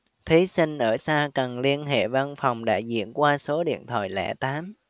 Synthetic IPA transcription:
t̪ʰi˨˦sï˧ŋ̟ʔəː˧˩saː˧kə˨˩nli˧ənɦḛ˧˨va˧nfa˨˩wŋ͡mɗa̰ː˧˥zḭ˧˥˨ənkwaː˧so˨˦ɗḭ˧˨ənt̪ʰwa̰ː˧˨jlɛ̰˧˩t̪aː˨˦m

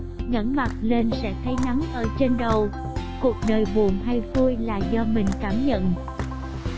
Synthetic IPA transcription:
ŋə̰˧˥nma˨˩t̚le˧nsɛ̰˧˥t̪ʰə˨˦jna˨˦ŋʔəː˧˩t͡ɕe˧nɗə˨˩w | ku˨˩ək̚ɗəː˨˩jɓu˨˩əmɦa˧jfu˧jlaː˨˩zɔ˧mï˨˩ŋ̟kaː˧˩mɲə̰˧˨n

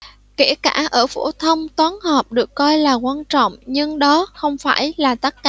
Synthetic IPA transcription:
ke˧˩əkaː˧˩ʔəː˧˩fo̰˧˩t̪ʰə˧wŋ͡mt̪waː˨˦nhəː˨˩p̚ɗɨ˨˩əkːɔ˧jlaː˨˩kwaː˧nt͡ɕɔ̰˧˨wŋ͡mɲɨ˧ŋɗɔ˨˦xə˧wŋ͡mfaː˧˩jlaː˨˩t̪ə˦˥t̚ka̰ː˧˨

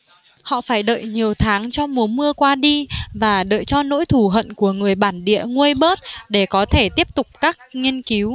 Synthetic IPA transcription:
hɔ̰˧˨faː˧˩jɗə̰ː˧˨jɲi˨˩əwt̪ʰaː˨˦ŋt͡ɕɔ˧wŋ͡mmu˨˦mɨ˧əkwaː˧ɗi˧vaː˨˩ɗə̰ː˧˨jt͡ɕɔ˧no̰˧˥jt̪ʰu˧˩ɦə̰˧˨nku˧˩əŋɨ˨˩əjɓaː˧˩nɗḭ˧˨əŋwi˧jɓəː˦˥t̚ɗe˧˩kɔ˨˦t̪ʰe˧˩t̪i˦˥əp̚t̪ʊ˨˩k͡p̚kaː˦˥k̚ŋi˧ənki˨˦w

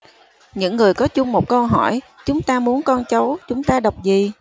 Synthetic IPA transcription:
ɲɨ̰˧˥ŋːɨ˨˩əjkɔ˨˦t͡ɕʊ˧ŋ͡mmo˨˩t̚kə˧wɦɔ˧˩j | t͡ɕʊ˨˦ŋ͡mt̪aː˧mu˨˦ənkɔ˧nt͡ɕə˨˦wt͡ɕʊ˨˦ŋ͡mt̪aː˧ɗə˨˩wk͡p̚zi˨˩

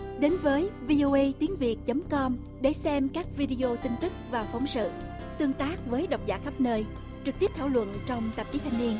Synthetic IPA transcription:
ɗe˨˦nvəː˨˦jvi˧ʔo˧ʔə˧jt̪i˨˦əŋvi˨˩ət̚t͡ɕə˨˦mkɔ˧m | ɗe˧˩sɛ˧mkaː˦˥k̚vi˧ɗi˧ʔo˧t̪ï˧ŋ̟t̪ɨ˦˥k̚vaː˨˩fɔ˨˦wŋ͡msɨ̰˧˨ | t̪ɨ˧əŋt̪aː˦˥k̚vəː˨˦jɗə˨˩wk͡p̚zaː˧˥xə˦˥p̚nəː˧j | t͡ɕɨ˨˩k̚t̪i˦˥p̚t̪ʰaː˧˩wlwə̰˧˨nt͡ɕɔ˧wŋ͡mt̪ə˨˩p̚t͡ɕi˨˦t̪ʰa˧jŋ̟ni˧ən

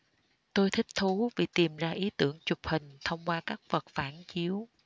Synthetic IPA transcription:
t̪o˧jt̪ʰï˦˥k̚t̪ʰu˨˦vi˨˩t̪i˨˩mzaː˧ʔi˨˦t̪ɨ˧˩əŋt͡ɕʊ˨˩p̚hï˨˩ŋ̟t̪ʰə˧wŋ͡mkwaː˧kaː˦˥k̚və˨˩t̚faː˧˩nt͡ɕi˨˦əw

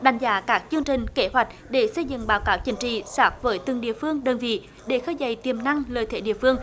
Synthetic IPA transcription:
ɗa˨˧˩jŋ̟zaː˨˦kaː˦˥k̚t͡ɕɨ˧əŋt͡ɕï˨˩ŋ̟ke˧˦ɦwa˨˩jk̟̚ɗe˧˩sə˧jzɨ̰˧˨ŋɓaː˨˦wkaː˨˦wt͡ɕï˨˦ŋ̟t͡ɕḭ˧˨saː˦˥k̚vəː˨˦jt̪ɨ˨˧˩ŋɗḭ˧˨əfɨ˧əŋɗəː˨˩nvḭ˧˨ | ɗe˧˩xəː˧jzə˧˩jt̪i˨˩əmna˧ŋləː˨˩jt̪ʰe˧˦ɗḭ˧˨əfɨ˧əŋ

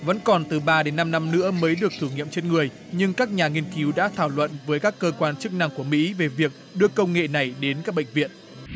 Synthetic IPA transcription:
və̰˧˥nkɔ˨˩nt̪ɨ˨˩ɓaː˧ɗe˨˦nːa˧mna˧mnɨ̰˧˥əməː˨˦jɗɨ˨˩ək̚t̪ʰɨ˧˩ŋḭ˧˨əmt͡ɕe˧nŋɨ˨˩əj | ɲɨ˧ŋkaː˦˥k̚ɲaː˨˩ŋi˧ənki˨˦wɗa̰ː˧˥t̪ʰaː˧˩wlwə̰˧˨nvəː˨˦jkaː˦˥kːəː˧kwaː˧nt͡ɕɨ˦˥k̚na˧ŋku˧˩əmḭ˧˥ve˨˩vi˨˩ək̚ɗɨ˧əkə˧wŋ͡mŋḛ˧˨na˨˩jɗe˨˦nkaː˦˥k̚ɓḛ˧˨ŋ̟vḭ˧˨ən

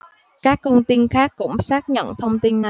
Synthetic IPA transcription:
kaː˦˥k̚ːə˧wŋ͡mt̪i˧nxaː˦˥kːʊ̰˧˥ŋ͡msaː˦˥k̚ɲə̰˧˨nt̪ʰə˧wŋ͡mt̪i˧nːa˨˩

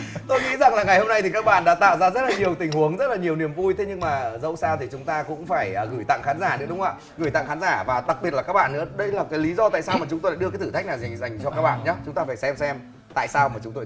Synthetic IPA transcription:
t̪o˧jŋḭ˧˥za˨˩ŋlaː˨˩ŋa˨˩jho˧mna˧jt̪ʰi˨˩ka˦˥k̚ɓa̰ː˧˨nɗa̰ː˧˥t̪a̰ː˧˨wzaː˧zə˦˥t̚la˨˩ɲi˨˩əwt̪ï˨˩ŋ̟hu˨˦əŋzə˦˥t̚laː˨˩ɲi˨˩əwni˨˩əmvu˧jt̪ʰe˨˦ɲɨ˧ŋmaː˨˩zə̰˧˥wsaː˧wt̪ʰi˨˩t͡ɕʊ˨˦ŋ͡mt̪aː˧kʊ̰˧˥ŋ͡mfaː˧˩jəː˨˩ɣɨ˧˩jt̪a̰˧˨ŋxaː˨˦nzaː˧˩nɨ̰˧˥əɗʊ˨˦ŋ͡ma̰ː˧˨˩ | ɣɨ˧˩jt̪a̰˧˨ŋxaː˨˦nzaː˧˩vaː˨˩ɗa˨˩k̚ɓi˨˩ət̚la˨˩kaː˦˥k̚ɓa̰ː˧˨nːɨ̰˧˥əɗə˧jlaː˨˩kaː˨˦jli˨˦zɔ˧t̪a̰ː˧˨saː˧wmaː˨˩t͡ɕʊ˨˦t̪o˧jlaː˧˥ɗɨ˧aː˨˦t̪ʰɨ˧˩a˦˥k̚naː˨˩wza˨˩jŋ̟za˨˩jŋ̟t͡ɕɔ˧kaː˦˥k̚ɓa̰ː˧˨nɲaː˨˦t͡ɕʊ˨˦ŋ͡mt̪aː˧faː˧˩jsɛ˧msɛ˧m | t̪a̰ː˧˨jsaː˧wmaː˨˩t͡ɕʊ˨˦ŋ͡mt̪o˧˦

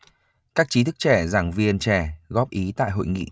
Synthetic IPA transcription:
kaː˦˥k̚t͡ɕi˨˦t̪ɨ˦˥k̚t͡ɕɛ˧˩zaː˨˧˩ŋvi˧ənt͡ɕɛ˧˩ɣɔ˦˥p̚ʔi˨˦t̪a̰ː˧˨jɦo̰˧˨jŋḭ˧˨

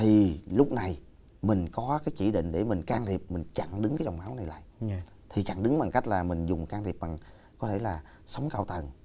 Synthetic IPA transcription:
t̪ʰi˨˩lʊ˦˥k͡p̚na˨˩j | mï˨˩ŋ̟kɔ˨˦kaː˨˦jt͡ɕi˧˩ɗḭ˧˨ŋ̟ɗe˧˩mï˨˩ŋ̟kaː˧ŋt̪ʰi˨˩əp̚mï˨˩ŋ̟t͡ɕa˧˩ŋɗɨ˨˦ŋkaː˨˦jt͡ɕɔ˧˨˩wŋ͡mʔaː˨˦wna˨˩jla̰ː˧˨j | t̪ʰi˨˩t͡ɕa̰˧˩ŋɗɨ˨˦ŋɓa˨˩ŋka˦˥jk̚laː˨˩mï˨˩ŋ̟zʊ˨˩ŋ͡mkaː˧ŋt̪ʰi˨˩p̚ɓa˨˩ŋ | kɔ˨˦t̪ʰe˧˩laː˨˩ | sə˨˦wŋ͡mkaː˧wt̪ə˨˩n

